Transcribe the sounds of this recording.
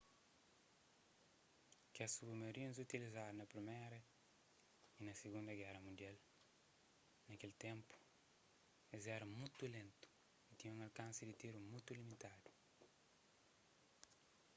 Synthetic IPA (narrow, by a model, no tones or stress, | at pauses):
kɛsubumeɾĩnzut̪ilizaɾnɐpɾimeɾɐ | inɐsiɡũnd̪ɐɡɛɾɐmũnd̪jal | nɐkelt̪ẽmpu̥ | ezɛɾɐmũt̪ulẽnt̪u̥ | it̪ĩɲũŋɐlkãnsɪd̪it̪iɾumũjt̪ulimit̪ad̪u̥